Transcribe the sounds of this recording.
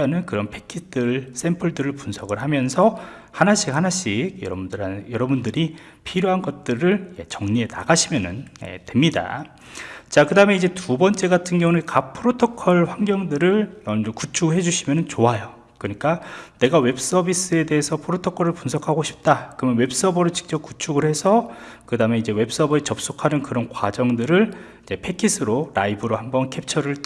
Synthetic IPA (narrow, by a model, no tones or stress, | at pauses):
ʌnɯnkɯɾʌnpʰe̞̥kʰidɯɭs͈e̞mpʰʌɭdɯɾɯɭpunsʰʌɡɯɭɦamjʌnsʰʌ | hanaɕ͈ʰik̚hanaɕ͈ʰiɡjʌɾʌbundɯɾanjʌɾʌbundɯɾi | pʰiɾjoɦanɡʌt̚t͈ɯɾɯɭje̞t͡ɕʌŋɲie̞na̰ɡaɕʰimjʌnɯnḛtwemɲida̰ | t͡ɕakɯdaɯme̞id͡ʑe̞tubʌnt͡ɕ͈e̞ɡatʰɯnɡeonɯnkapʰɯɾotʰokʰʌɭɸwaŋɡjʌŋdɯɾɯɭnʌnd͡ʑokut͡ɕʰuɡɯɦe̞d͡ʑuɕʰimjʌnɯnt͡ɕoajo | kɯɲik͈ane̞ɡawe̞ps͈ʌbis͈ɯe̞de̞ɦesʰʌpʰɾotʰokʰʌɾɯɭpunsʰʌkʰaɡoɕʰi̥p̚t͈akɯɾmjʌnwe̞ps͈ʌbʌɾɯt͡ɕi̥k̚t͡ɕ͈ʌp̚k͈ut͡ɕʰuɡɯɭhe̞sʰʌkɯdame̞id͡ʑe̞we̞p̚s͈ʌbʌet͡ɕʌp̚s͈okʰanɯnkɯɾʌnkwad͡ʑʌŋdɯɾɯɭ | id͡ʑe̞pʰe̞kʰisʰɯɾoɾaibɯɾohambʌnkʰe̞p̚t͡ɕʰʌɾɯɭ